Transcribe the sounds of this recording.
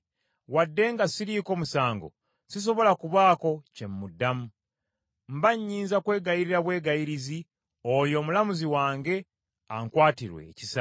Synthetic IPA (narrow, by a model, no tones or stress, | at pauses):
wadːe̞ːŋɡasiɾiːko̞ːmusaːŋɡo̞̰ | sis̬o̞βo̞lakuβaːko̞ce̞mːudːamu | mbaɲːiːnzakwe̞ːɡajiɾiɾaβwe̞ːɡajiɾizi | ojo̞ːmulamuziwaːŋɡe̞ | aŋkwaːtiɾwe̞̰ːcisa